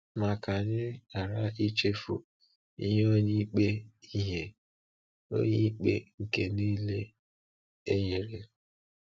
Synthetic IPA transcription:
ma˨ka˨ɲɪ˦a˨ɾa˦i˦t͡ʃe˦fṵ˨ | ḭ˦ɦe˦o˦ɲi˦k͡pe˦i˦ɦe˦ | o̰˦ɲi˦i˦k͡pḛ˦ŋ̩˨ke˦niː˦le˦ | e˦ɲe˨ɾe˨

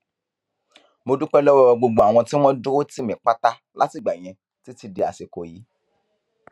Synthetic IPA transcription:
mo˧du˦k͡pɛ˦lɔ˦wɔ˧ɔ˧ɡ͡bo˧ɡ͡bo˦a˨w̃ɔ̃˧ti˦w̃ɔ̃˦do˦o˦ti˦˨mĩ˨k͡pa˦ta˦ | la̰˦ti˦˨ɡ͡ba˨j̃ɛ̃˧ | ti˦ti˧di˧a̰˨se˨ko˨ji˨˦

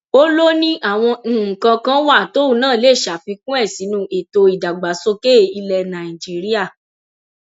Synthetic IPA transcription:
o˦lo˦nĩ˦ʔa˦˨w̃ɔ̃˧ñ̩˦˨kã˧kã˦wa˦˨to˦u˦˨nãː˦˨le˦˨ʃa˨fi˧kũ˦ɛ˦˨si˨˦nũ˦ʔe˨to˧i˨da˨ɡ͡ba˨˦so˦ke˦˨i˧lɛ˧nã˨i˨d͡ʒi˦ɾi˦a˦˨

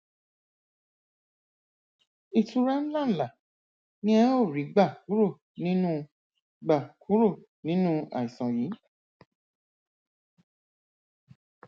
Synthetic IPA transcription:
i˧tu˧ɾa˦n̩˦la˦˨n̩˨la˨ | nĩ˦ɛ˧˦o˦˨ɾi˨˦ɡ͡ba˦˨ku˨˦ɾo˦˨ | nĩ˦nũ˦ | ɡ͡ba˦˨kʰu˨˦ɾo˦˨ | nĩ˨˦nũ˦a̰˨i˨sã˨ji˨˦

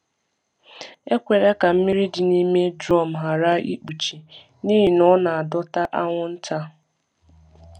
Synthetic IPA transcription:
e˦kʷe˨ɾe˦ka˨m̩˦mɪ˦ɾi˦di˨ni˦me˦dɾɔ˦˨m̩˨ɦa˨ɾa˦ḭ˦k͡pu˨t͡ʃi˨ | niː˦ɦi˨nɔ˦na˨a˨dɔ˦ta˦ʔa˦ŋʷʊ˦n̩˦ta˦

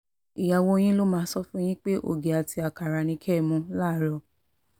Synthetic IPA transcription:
i˨ja˨wo˧j̃ĩ˦lo˦mãː˧˦sɔ˦fũ˦j̃ĩ˦k͡pe˦ʔo̰˦˨ɡe˨a˨ti˧a˨ka˨ɾa˨nĩ˧˦kʰɛ˦˨mũ˧˦laː˦ɾɔ˧˨

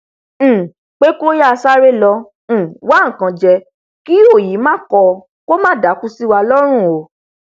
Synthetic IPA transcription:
k͡pe˦ko˦ja˦˧sa˦ɾe˦lɔ̃˧˨ | wa˦˨kã˨d͡ʒɛ˧ | ki˦o˦˨ji˨˦mãː˦kɔ˧ | ko˦mãː˦˨da˨˦ku˦si˦wa˧lɔ˦ɾ̃ũ˦˨o˨˦˨

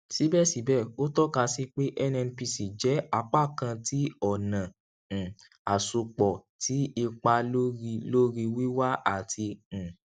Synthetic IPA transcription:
si˨˦bɛ˦˨si˨˦bɛ˦˨o˦tɔ˦ka˧si˧k͡pe˦ʔɛ˦nɛ˧n˧pi˧si˨d͡ʒɛ˨˦a˧˦k͡pa˦˨kã˧ti˨˦ɔ˨nã˨ | a˨su˧k͡pɔ˨tʰi˨˦i˧k͡pa˧lo˦ɾi˧lo˦ɾi˧wi˦wa˦a˦˨tʰĩ˧˨

